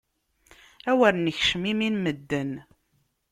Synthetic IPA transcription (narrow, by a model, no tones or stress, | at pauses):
æwæɾnəçʃəmiminməd̪ːən